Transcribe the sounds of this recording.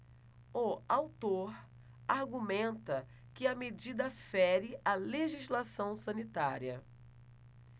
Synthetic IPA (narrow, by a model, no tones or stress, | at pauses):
oawt̪oɾ | aɾɡumẽnt̪ɐ | kɪɐmed͡ʒid̪ɐfɛɾɪʔɐleʒizlasɐ̃w̃sɐ̃nit̪aɾiɐ